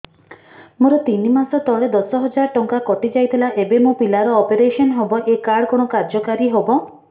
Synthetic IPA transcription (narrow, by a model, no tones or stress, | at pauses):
muɾɔt̪inimasɔt̪ɔɭed̪ɔsɔɦɔd͡ʒaɾʈɔŋkakɔʈid͡ʒajt̪ʰilaʔebemũpilaɾɔːpeɾeʃɔnɦobɔʔekaɽkɔɽ̃ɔkaɾd͡ʒɔkaɾiɦobɔ